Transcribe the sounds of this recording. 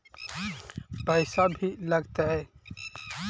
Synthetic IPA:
pəɪsabʱiləɡt̪aɦɛ

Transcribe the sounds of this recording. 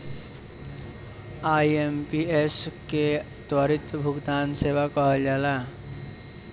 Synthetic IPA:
aːiempieske | t̪wəɾɪt̪bʱʊɡt̪aːnseːʋakɔɦd͡ʒaːla

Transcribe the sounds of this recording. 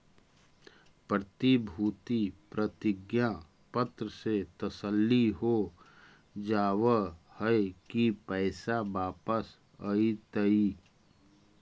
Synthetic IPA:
pɾət̪ibʱuːt̪ipɾət̪ɪɡjã | pət̪ɾəset̪əsəlːiɦo | d͡ʒaːwəhəkipəɪsabaːpəs | əit̪əi

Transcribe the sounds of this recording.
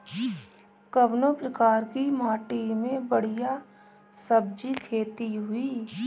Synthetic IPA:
kəbnopɾəkaːɾkimaːʈimẽbəɽ̤ija | səb̚d͡ʒikʰeːt̪iɦʊiː

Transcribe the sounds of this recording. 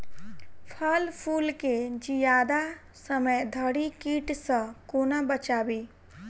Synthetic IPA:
pʰəlpʰuːlked͡ʒijaːd̪a | səməjd̪ʱəɽikiːʈsə̃koːnabət͡ʃaːbiː

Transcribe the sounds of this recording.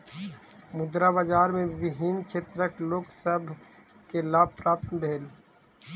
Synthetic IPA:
mʊd̪ɾabad͡ʒaːɾmẽbɪɦiːnkt͡ʃʰeːt̪ɾəkloːksəbʱ | kelab̚pɾaːp̚t̪nbʱeːl

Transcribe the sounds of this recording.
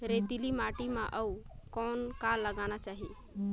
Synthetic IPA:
ɾet̪ilimaʈimãʔəukɔːnkalːəɡanat͡ʃaːɦi

